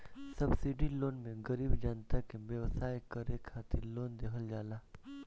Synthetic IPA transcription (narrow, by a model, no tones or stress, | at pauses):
sɐbsiɖiloːnmẽɡəɾiːbd͡ʒaːnt̪akeʋjəʋsaːjkɐɾeːkʰːaːt̪ɪloːnd̪eːkʰəld͡ʒaːlaː